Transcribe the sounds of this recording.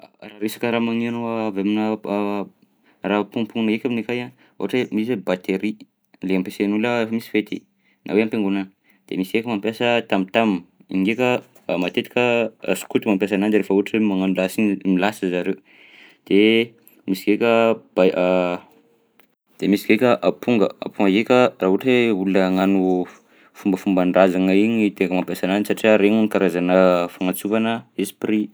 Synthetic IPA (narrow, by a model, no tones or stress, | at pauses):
raɾesḁkəɾamaŋinoaveminə | rapuŋpuŋnɡekʲaminekajan | ṵaʈ͡ʂemisebat̪eɾi | leampesenuləefəmisi̥fet̪ḭ | nʔa̰weampeŋɡunən | d̪̥emisi̥ɡekʲəmampjasət̪amit̪amnḭŋɡekʲə | mat̪et̪i̥kʲə̰su̥kut̪imampjas̬anand̪ɾefəuaʈ͡ʂemaŋanulasimilasəzaɾew | d̪̥e | misi̥kekʲəb̥a | d̪̥emisi̥kekʲəʔapʰuŋɡəa̰pʰuŋɡəɡekʲəraɦuʈ͡ʂeuuləŋanu | fumbəfumbanrazaŋaiɲit̪ekəmampjasananisaʈ͡ʂiaɾeŋunikaɾazanəfaŋat͡suvanəesi̥pri